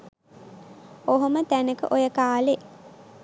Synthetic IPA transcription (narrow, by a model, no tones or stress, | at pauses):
oɦomət̪ænəkə̰ʔojəkaːle